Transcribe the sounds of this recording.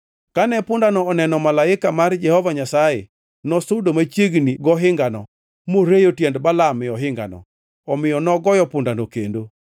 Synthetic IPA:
kanɛpʊndanɔːnɛnɔmalaɪkamard͡ʒɛhɔvaɲasaḛ | nɔsʊdomat͡ʃjeɡniɡɔɦɪŋɡanɔ̰ | moɾejotjɛndbalamɪɔɦɪŋɡa̰nɔ̰ | ɔmɪjɔnɔɡɔjɔpʊndanokḛndo

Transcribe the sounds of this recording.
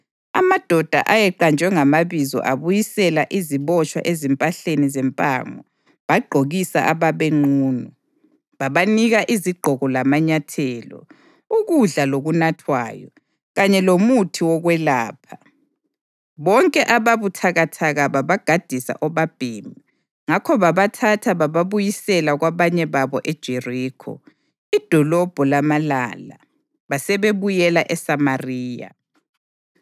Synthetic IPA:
a̰mad̥ʱɔd̥ʱa̰ʔajɛǃand͡ʒʱwɛŋamaβizɔ̰ʔaβujisɛlaʔiziβɔt͡ʃʼwa̰ʔezɛmpʼaɬenizɛmpʼa̰ːŋɔ | βaɡ͡ǃʱoɣisa̰ʔaβaβeŋ͡ǃuːnɔ | βaβaniɣaʔiziɡ͡ǃʱɔɣɔlamaɲatʰɛːlɔ̰ | uɣuɮaloɣunatʰwa̰ːjɔ̰ | ɣaɲɛlomutʰiwɔɣwɛlaːpʰa | βɔŋkʼɛʔaβaβutʰaɣatʰaɣaβaβaɡ̥ʱad̥ʱisa̰ʔɔβab̥ʱiːmi | ŋakʰɔβaβatʰatʰaβaβaβujisɛlaɣwaβaɲɛβaβɔʔed̥ʒ̥ʱeriːkʰɔ̰ | id̥ʱɔlɔb̥ʱɔlamala̰ːla̰ | βasɛβeβujɛlaʔɛsamariːja̰

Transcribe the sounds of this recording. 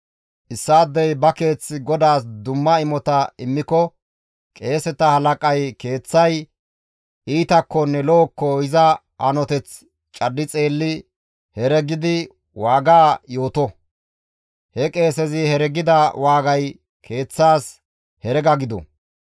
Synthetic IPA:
ʔɪsːaːd̪ːɛjbɐke̞ːt͡sːɪɡɔd̪aːsd̪ʊmːɐɪmɔt̪ɐɪmːɪkɔ | kʼe̞ːsɛt̪ɐhɐlɐkʼɐjke̞ːt͡sːɐj | iːt̪ɐkːɔnːɛloːkːɔhɪzɐ | ʔɐnɔt̪ɛt͡s | t͡ʃʼɐdːɪt͡sʼe̞ːlːɪ | hɛɾɛɡɪd̪ɪ | waːɡaːjo̞ːt̪ɔ | hɛkʼe̞ːsɛzɪhɛɾɛɡɪd̪ɐwaːɡɐj | kʰe̞ːt͡sːaːs | hɛɾɛɡɐɡɪd̪ɔ̰

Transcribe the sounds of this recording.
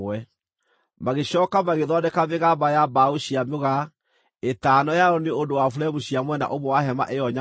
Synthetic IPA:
wɛ | maɣeɕɔːkamaɣeðɔndɛkameɣabajabaoɕiamoɣa | etaːnɔjaɔneondowafuɾɛmuɕiamwɛna̰ʔomowaɦɛma̰ʔejɔɲa

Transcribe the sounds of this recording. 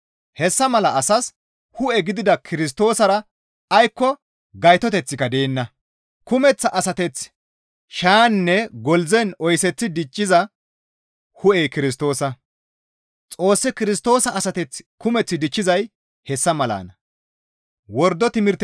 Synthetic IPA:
hɛsːɐmɐlɐʔɐsɐs | hʊʔɛɡɪd̪ɪd̪ɐkʰɪɾɪs̬t̪o̞ːsɐɾɐ | ɐjkːɔ | ɡɐjt̪ɔt̪ɛt͡sːɪkɐd̪e̞ːnːɐ | kʊmɛt͡sːɐʔɐsɐt̪ɛt͡s | ʃaːnːɛɡɔlzɛnɔjsɛt͡sːɪd̪ɪt͡ʃʼːɪzɐ | hʊʔɛjkɪɾɪs̬t̪o̞ːsɐ | t͡sʼo̞ːsːɛkɪɾɪs̬t̪o̞ːsɐːsɐt̪ɛt͡skʊmɛt͡sːɪd̪ɪt͡ʃʼːɪzɐj | hɛsːɐmɐla̰ːnɐ | wɔɾd̪ɔt̪ɪmɪɾt̪

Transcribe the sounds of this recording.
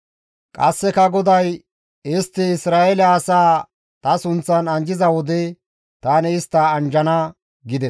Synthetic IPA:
kʼɐsːɛkɐɡɔd̪ɐj | ɪst̪ːɪɪsɾaːɛlɛɐsaː | t̪ɐsʊnt͡sːɐnɐnd͡ʒɪzɐwɔd̪ɛ | t̪aːnɛɪst̪ːɐːnd͡ʒɐnɐ | ɡɪd̪ɛs

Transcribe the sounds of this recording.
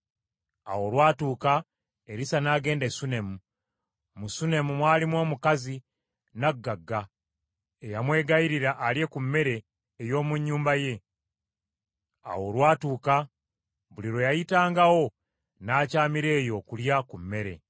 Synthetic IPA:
a̰wo̞lwaːtuːka | e̞ɾisanaːɡe̞ːndesune̞mu | musune̞mumwaːlimwo̞ːmukazi | naɡːaɡːa | ejamwe̞ːɡaiɾiɾaʔːlje̞kumːe̞ɾe̞ː | jo̞ːmuɲːuːmbaje̞ | a̰wo̞lwaːtuːka | βuliɾo̞jajitaːŋɡawo̞ | naːcaːmiɾe̞ːjo̞kuljakumːe̞ɾe̞̰

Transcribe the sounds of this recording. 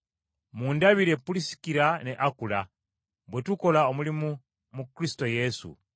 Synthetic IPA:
muːndaβiɾe̞pulisi̥kiɾane̞ʔakula̰ | bwetuko̞laomulimu | mukɾisi̥to̞je̞sṵ

